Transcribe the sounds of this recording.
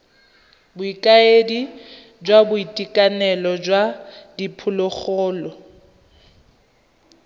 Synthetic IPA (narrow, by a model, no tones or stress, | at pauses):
bʊikʼaedi | d͡ʒwabʊitʼikʼanɛlɔd͡ʒwadipʰʊlʊk͡xɔːlɔ